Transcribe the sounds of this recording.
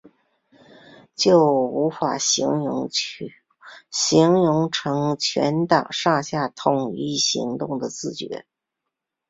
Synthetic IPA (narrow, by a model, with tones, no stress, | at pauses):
t͡ɕjo˥˩ʊu˧˥fa˨˩˧ŋʊ˧˥ŋ˧ | ɕi˧˥ŋjʊ˧˥ŋʈ͡ʂʰɤ˧˥ŋt͡ɕʰɥɛ̰˧˥nt̪ɑ˨˩ŋʂɑ˥˧ɕja˥˩t̪ʰʊ˨˩ŋi˥˩ɕḭ˧˥ŋt̪ʊ˥˩ŋd̪ə˩t͡sɹ̩˥˩t͡ɕɥɛ̰˧˥